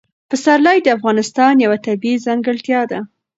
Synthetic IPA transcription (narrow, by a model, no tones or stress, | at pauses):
pəsaɾlajd̪əafɣɑnɪst̪ɑnjawat̪abizaŋɡəɭt̪jɑd̪a